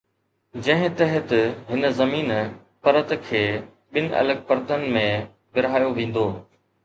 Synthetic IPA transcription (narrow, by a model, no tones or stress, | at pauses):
d͡ʑɐ̃ɦɪ̃t̪ɐɦɪt̪ɦɪnzɐmiːn | pɐɾət̪kʰeː | ɓɪnʔɐ̰ləɡ̚pəɾt̪ənɪ̆mẽ | bɪɾɦaːjoʋẽːn̆d̪oː